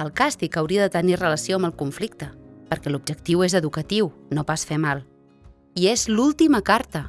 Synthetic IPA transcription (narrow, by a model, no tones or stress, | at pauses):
əlˠkast̪ikəwɾiəðət̪ənirələsioəmbəlˠkuɱflikt̪əpəɾkɛlub̚d͡ʒəkt̪iwezəðukət̪iwnopasfemalˠ | iezlulˠt̪iməkaɾt̪ə